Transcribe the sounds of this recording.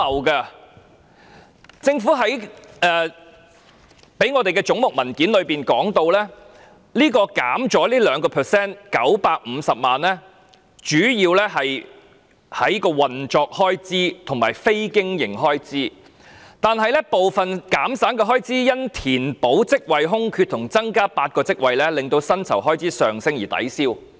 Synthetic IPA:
ɐ˨wkɐ˧ | t͡sɪ˧ŋfuː˨˥ɦɐ˨˥jɛː˨˧ | pe˨˥jŋɔː˨˧t̪e˨jkɛ˧t͡ʃʊ˨˥ŋmʊ˨k̚mɐ˨˩nkiː˨˥nlɵ˨˧ɥpiː˨nkɔː˨˥ŋt̪o˧wlɛː˥ | liː˥kɔː˧ka̰ː˨˥mt͡ʃɔː˨˥liː˥lœː˨˧ŋkɔː˧pʰəː˨˩sɛː˥nkɐ˨˥wpaː˧k̚m̩˨˧sɐ˨p̚maː˨nlɛː˥ | t͡ʃyː˨˥jiː˧wlɛː˥ɦɐ˨j | hɐ˨˥jkɔː˧wɐ˨nt͡ʃɔː˨˧k̚hɔː˥jt͡siː˥t̪ʰʊ˨˩ŋmaː˨˩jfe˥jkɪ˥ŋjɪ̰˨˩ŋɦɔː˥jt͡siː˥ | t̪aː˨nɦɐ˨jlɛː˥po˨wfɐ˨nkaː˨˥msaː˨˥nkɛː˧ɦɔː˥jt͡siː˥jɐ˥nt̪ʰiː˨˩npo˨˥wt͡sɪ˥k̚wɐ˨jɦʊ˥ŋkʰyː˧t̚t̪ʰʊ˨˩ŋt͡sɐ˥ŋkaː˥paː˧t̚kɔː˧t͡sɪ˥k̚wɐ˨jlɛː˥lɪ˨ŋt̪o˧wsɐ˥nt͡sʰɐ˨˩wɦɔː˥jt͡siː˨˥sœː˨ŋsɪ˥ŋjiː˨˩t̪ɐ̰˨˥jsiː˥w

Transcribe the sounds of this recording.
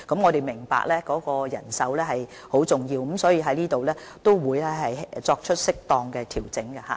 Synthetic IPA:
kɐ˨˥mŋɔː˨˧t̪e˨jmɪ˨˩ŋpa̰ː˧k̚lɛː˥kɔː˨˥kɔː˧jɐ̰˨˩nsɐ˨˥wlɛː˥ɦɐ˨j | ho˨˥wt͡sʊ˨˩ŋjiː˧w̩˨˥msɔː˨˥jiː˧ɦɐ˨˥jliː˥t̪o˨wlɛː˦˥t̪o˥wwuː˨˧jlɛ˥ɦɐ˨jt͡sɔː˧k̚t͡ʃʰɵ˥t̚sɪ˥k̚t̪ɔː˧ŋkɛː˧t̪ʰiː˨˩wt͡sɪ˨˥ŋkɐ˧ha̰ː˨

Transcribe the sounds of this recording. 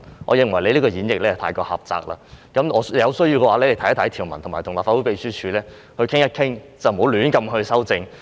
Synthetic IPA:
ŋʔɔ̰ː˨˧jɪ˨˩ŋwɐ˨˩jle˨˧jliː˥kɔː˧jiː˨˥njɪ˨k̚lɛː˥˨t̪ʰaː˧jkɔː˧hɐ̰˨˩p̚t͡sa̰ː˨k̚la̰ː˧kɐ˨˥mɔː˨˧jɐ˨˧wsɵ˥ɥjiː˧wkɛː˧waː˨˧lɛ˧le˨˩t̪ʰɐ˦˥jt̪ʰjt̪ʰiː˨˩wmɐ˨˩nt̪ʰʊ˨˩ŋmaː˨˩t̪ʊ˨˩ŋlaː˨fa˧˥u˨˦˥pe˨jsyː˥t͡ʃʰyː˨˧lɛː˥ | hɵ˧ɥkʰɪ˥ŋjɐ˥t̚kʰɪ˥ŋt͡sɐ˨wm̩˨ho˨˧˥wlyː˨˧˥nkɐ˧mɦɵ˧ɥsɐ˥wt͡sɪ˧ŋ

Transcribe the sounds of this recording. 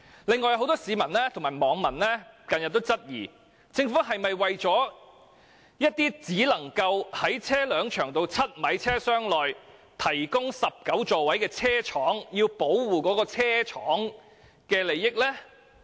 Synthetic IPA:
lɪ˨ŋːɔː˨jɐ˧who˨˥wt̪ɔː˥siː˨˧mɐ˨˩nlɛː˥t̪ʰʊ˨˩maː˨˩jmɔː˨˧˥ŋmɐ˨˩nlɛː˥kɐ˨njɐ˨t̚t̪ːo˥wt͡sɐ˥t̚jḭː˨˩ | t͡sɪ˧ŋfuː˨˥ɦɐ˨jmɐ˨jwɐ˨jt͡sɔː˨˥ | jɐ˥t̚t̪iː˥t͡siː˨˥lɐ˨˩ŋkɐ˧whɐ˨˥jt͡sʰɛː˥lœː˨˧ŋt͡ʃʰœː˨˩ŋt̪o˧wt͡sʰɐ˥t̚mɐ˨˥jt͡sʰɛː˥sœː˥ŋlɔː˨j | t̪ʰɐ˨˩jkʊ˥ŋsɐ˨p̚kɐ˨˥wt͡sɔː˨wɐ˨˥jkɛː˧t͡sʰɛː˥t͡ʃʰɔː˨˥ŋjiː˧wpo˨˥wwuː˨˩kɔː˨˥kɔː˧t͡sʰɛː˥t͡ʃʰɔː˨˥ŋ | kɛː˧le˨˧jːɪ˥k̚lɛː˥

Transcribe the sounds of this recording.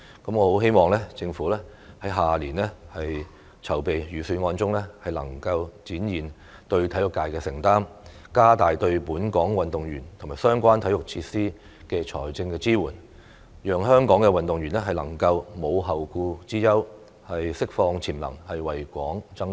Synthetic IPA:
kɐ˨˥mŋɔː˨˧ho˨˥wɦe˥jmɔː˨˩ŋlɛː˥t͡sɪ˧ŋfuː˨˥lɛː˥hɐ˨˥jɦaː˨˩liː˨˩nlɛː˥hɐ˨j | t͡sʰɐ˨˩wpe˨jjyː˨˩syː˧nŋɔː˧nt͡sʊ˥ŋlɛː˥hɐ˨jlɐ̰˨˩ŋkɐ˧wt͡siː˨˥njiː˨n | t̪ɵ˧ɥt̪ʰɐ˨˥jʊ˨kːaː˧jkɛː˧sɪ˨˩ŋt̪aː˥m | kaː˥t̪aː˨jt̪ɵ˧ɥpuː˨˥nkɔː˨˥ŋwɐ˨˩nt̪ʊ˨ŋjyː˨˩nt̪ʰmaː˨˩jsœː˥ŋkʷaː˥nt̪ʰɐ˨˥jʊ˨k̚t͡sʰiː˧t̚siː˥ | kɛː˧t͡sʰɔ̰ː˨˩jt͡sɪ˧ŋkɛː˧t͡siː˥wuː˨˩n | jœː˨ŋɦœː˥ŋkɔː˨˥ŋkɛ˧wɐ˨nt̪ʊ˨ŋjyː˨˩nlɛ˥ɦɐ˨jlɐ˨˩ŋkɐ˧wmo˨˧wɦɐ˨wkuː˧t͡siː˥jɐ˥w | hɐ˨jsɪ˥k̚fɔː˧ŋt͡sʰiː˨˩mlɐ̰˨˩ŋhɐ˨jwɐ˨˩jkʷɔː˨˥ŋt͡sɐ˥ŋ

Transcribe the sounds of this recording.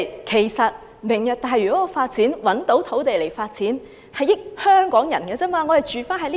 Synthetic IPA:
kʰe˨˩jsɐ˨t̚ | mɪ˨˩ŋjœː˨k̚t̪aː˨jɥyː˨˩kɔ˨˥ɔ˧faː˧t̚t͡siː˨˥nwɐ˨˥nt̪o˨˥wt̪ʰo˨˥wt̪e˨jle˨˩jfaː˧t̚t͡siː˨˥n | hɐ˨jɪ˥k̚hœː˥ŋkɔː˨˥ŋjɐ˨˩nkɛː˧t͡sɛː˥mwaː˧ŋɔ˨˧hɐ˨jt͡ʃyː˨faː˥nɦɐ˨jliː˥

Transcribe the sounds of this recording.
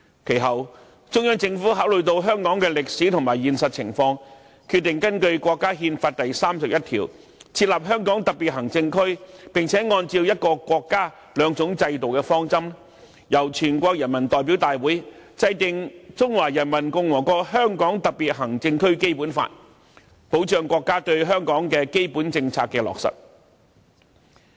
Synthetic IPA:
kʰe˨˩jɦɐ˨w | t͡ʃʊ˥ŋjœː˥ŋt͡sɪ˧ŋfuː˨˥ɦaː˨˥wlɵ˨ɥt̪o˧wɦœː˥ŋkɔː˨˥ŋkɛː˧lɪ˨k̚siː˨˥t̪ʰʊ˨˩ŋmaː˨jiː˨nsɐ˨t̚t͡sʰɪ̰˨˩ŋfɔː˧ŋ | kʰy˧t̪ːɪ˨˩ŋkɐ˥nkɵ˧ɥkʷɔː˧kːaː˥ɦiː˧nfaː˧t̚t̪ɐ˨jsaː˥msɐ˨p̚jɐ˥t̚t̪ʰḭː˨˩w | t͡sʰiː˧t̚laː˨p̚ɦœː˥ŋkɔː˨˥ŋt̪ɐ˨k̚piː˨t̚ɦɐ˨˩ŋt͡sɪ˧ŋkʰɵ˥ɥpɪ˨ŋt͡sʰɛː˨˥ŋɔː˧nt͡siː˧wjɐ˥t̚kɔː˧kwɔː˧kːaː˥ | lœː˨˧ŋt͡sʊ˨˥ŋt͡sɐ˧jt̪o˨wkɛː˧fɔː˥ŋt͡sɐ˥m | jɐ˨˩wt͡ʃʰyː˨˩nkʷɔː˧k̚jɐ˨˩nmɐ˨˩nt̪ɔː˨˩jp̬i˨˥wt̪aː˨jwuː˨˥jt͡sɐ˧jt̪ɪ˨ŋt͡sʊ˥ŋwaː˨˩jɐ˨˩nmɐ˨˩nkʊ˧ŋwɔː˨˩kɔː˧ɦœː˥ŋkɔː˨˥ŋt̪ɐ˨k̚piː˨t̚ɦɐ˨˩ŋt͡sɪ˧ŋkʰɵ˥ɥke˥jpuː˨˥nfa̰ː˧t̚ | po˨˥wt͡ʃœː˨˧ŋkʷɔː˧kːaː˥t̪ɵ˧ɥɦœː˥ŋkɔː˨˥ŋkɛː˧ke˥jpuː˨˥nt͡sɪ˧ŋt͡sʰaː˧k̚kːɛː˧lɔ̰ː˨k̚sɐ̰˨t̚

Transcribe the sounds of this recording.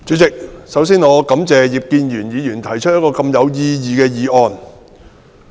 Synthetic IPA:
t͡ʃy˨˥t͡sɪ˨k̚sɐ˨˥wsiː˥nŋɔː˨˧kɐ˨˥mt͡sɛː˨jiː˨˩p̚kiː˧njyː˨˩njiː˨˧jyː˨˩nt̪ʰɐ˨˩jt͡ʃʰt̚jɐ˥t̚kɔː˧kɐ˧mjɐ˨˧wjiː˧jiː˨˧kɛː˧jiː˨ʔɔː˧n

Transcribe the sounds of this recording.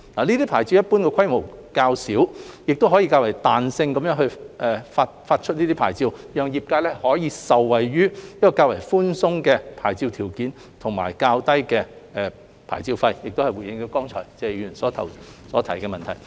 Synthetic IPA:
laː˨˩niː˥t̪iː˥pʰaː˨˩jt͡siː˧wjɐ˥t̚puː˥nkɛː˧kʷʰɐ˥jmo˨˩wkaː˧wsiː˨˥wjɪ˨k̚t̪o˥wɦɔː˨˥ji˧kaː˧wɐ˨˩jt̪aː˨nsɪ˧ŋkɐ˨˦mjœː˨˥ŋɦɵ˧ɥʔɛ˨faː˧t̚faː˧t̚t͡ʃʰɵ˥t̚niː˥t̪i˥pʰa̰ː˨˩jt͡siː˧wjœː˨˧ŋjiː˨p̚kaː˧jlɛː˥hɔː˨˥jiː˨˧sɐ˨wːɐ˨jɥyː˥jɐ˥t̚kːɔː˧kaː˧wɐ˨˩jfuː˥nsʊ˥ŋkɛː˧pʰaː˨˩jt͡siː˧wt̪ʰiː˨˩wkiː˨˥n | t̪ʰʊ˨˩ŋma̰ː˨˩jkaː˧wt̪ɐ˥jkɛː˧ɛ˧ | pʰa̰ː˨˩jt͡siː˧wfɐ˧jjɪ˨k̚t̪o˥whɐ˨jwuː˨˩jɪ˧ŋt̪o˨˧˥wkɔː˥ŋt͡ʃʰɔ̰ː˨˩jt͡sɛː˨˧jyː˨˩nsɔː˨˥t̪ʰɐ̰˨˩wsɔː˨˥t̪ʰɐ˨˩jkɛ˧mɐ˨nt̪ʰɐ˨˩j

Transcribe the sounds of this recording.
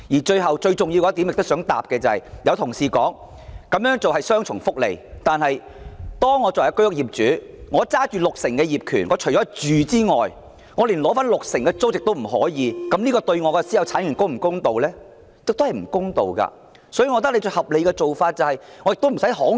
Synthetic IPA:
jiː˨˩t͡ʃɵ˧ɥɦɐ˨wt͡ʃɵ˧ɥt͡sʊ˨ŋji˧wkɔː˧˥t̪iː˨˥mɪ˨k̚t̪ʊ˥sœː˨˥ŋt̪a̰ː˨p̚kɛː˧t͡sɐ˨˧hɐ˨jjɐ˧wt̪ʰʊ˨˩ŋsiː˨˩kɔː˨˥ŋ | kɐ˨˥mjœː˨˥ŋt͡so˨wɐ˨jsœː˥ŋt͡ʃʰʊ˨˩ŋfʊ˥k̚lḛ˨˩jt̪aː˨nɦɐ˨j | t̪ɔː˥ŋːɔː˨˧t͡sɔ˨˩˨jɐ˧˥kjʊ˥k̚jiː˨p̚t͡ʃyː˨˥ | ŋɔː˨˧t͡saː˥t͡ʃyː˨˩lʊ˨k̚sɪ˨˩ŋkɛː˧jiː˨p̚kʰyː˨˩nŋɔː˨˧t͡ʃʰɵ˨˩t͡ʃɔ˨˥˩t͡ʃyː˨t͡siː˥ŋɔ̰ː˨j | ŋɔː˨˧liː˨˩nlɔː˨˥faː˥nlʊ˨k̚sɪ˨˩ŋkɛː˧t͡so˥wjɪ˨k̚t̪o˥wm̩˨˩ɦɔ̰ː˨˥jiː˨˧kɐ˨˦mliː˥kɔː˧t̪ɵ˧ɥŋɔː˨˧kɛ˧siː˨˥jɐ˨wt͡sʰaː˨˥nkyː˨˩nkoʊ˥wm̩˨˩kʊ˥ŋt̪o˨wlɛː˥ | ɪ˨kt̪hɐ˨jm̩˨˩kʊ˥ŋt̪o˨wkɐ̰˧ | sɔ˨˥jy˨˧ŋɔ˨˧t̪̬ɐ˥k̚le˧t͡sɵ˧hɐ˨p̚le˨˧jkɛː˧t͡so˨wfaː˧t̚t͡sɐ˨whɐ˨jŋɔ˨˧jɪ˨k̚t̪o˥m̩˨˩sɐ˨˥jɦɔː˨˥

